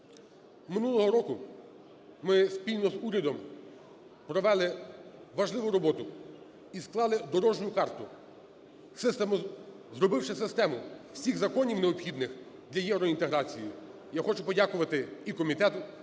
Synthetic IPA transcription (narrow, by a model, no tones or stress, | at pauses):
mɪnulˠɔɦɔɾɔkʊ | mɪspʲilʲnɔzuɾʲɐd̪ɔm | pɾɔʋɛlˠɪʋɐʒlˠɪʋʊɾɔbɔt̪ʊ | isklˠɑlˠɪd̪ɔɾɔʒnʲʊkɑrt̪ʊ | sɪst̪ɛ | zrɔbɪwʃɪsɪst̪ɛmʊwsʲiɣzɐkɔnʲiwneɔpxʲid̪nɪx | d̪lʲɐjɛwɾɔint̪eɦɾɑt͡sʲiji | jaxɔt͡ʃʊpɔdʲakʊʋɐt̪ɪikɔmʲit̪ɛt̪ʊ